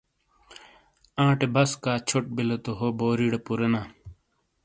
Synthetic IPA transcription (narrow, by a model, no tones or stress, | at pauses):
ãːʈebɐskaːt͡ɕʰoʈ̚bilɐt̪oɦoboːɾiːɽepuɾɐnaː